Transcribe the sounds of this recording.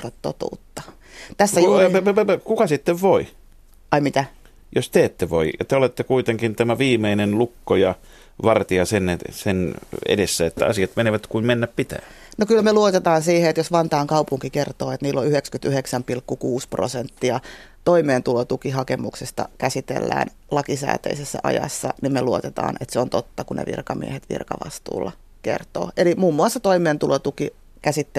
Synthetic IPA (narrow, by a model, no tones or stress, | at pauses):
rɑt̪to̰t̪ṵːt̪ːɑ̥ | t̪æsːæukukɑsit̪ːeʋʋoi | ɑimit̪æ | jost̪eːt̪ːeʋo̰ijɑ̰t̪eolet̪ːekuit̪eŋkint̪æmæʋiːmeinenlukːojɑ | ʋɑrt̪iɑsenesenḛdesːæet̪ːæ̰ɑ̰siɑt̪meneʋæt̪kuimmenːæppit̪æ̰ː | nokylmeluot̪et̪ɑːnsiːheet̪josʋɑnt̪ɑːŋkɑupuŋkikert̪oːet̪niːlːoyhekskyt̪yheksæmpilkːukuːspro̰sent̪ːiɑ | t̪oimeːnt̪ulot̪ukihɑkemuksest̪ɑ̰kæsit̪ḛlːæ̰ːn | lɑkisæ̰ːt̪ø̰isesːæ̰ʔɑ̰jɑ̰sːɑnimmeluot̪et̪ɑ̰ːnḛt̪seont̪ot̪ːɑkunḛʋḭrkɑmḭehet̪ʋḭrkɑ̰ʋɑ̰st̪ṵːlːɑ | kḛrt̪o̰ːʔelimuːmːuɑsːɑt̪oimˑeːnt̪ulot̪uki | kæsit̪ːe